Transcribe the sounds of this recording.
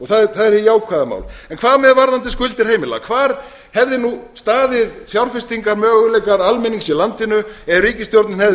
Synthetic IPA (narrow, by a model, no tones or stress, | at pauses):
ɔɣθaðθaðɛɾɛjaːwkʰvaːðama̰ːwlɛnkʰvaːðmɛðvaɾðant̪ɪskʏlt̪ɪɾ̥heːjmɪla̰kʰvaːɾ | hɛvðɪnust̪aːðɪðθjawɾr̥fɪst̪iŋkaɾmœːɣʏlɛjkaɾalmɛniŋksilant̪ɪnʏɛðriːcɪst̪jowɾt̪nanhɛ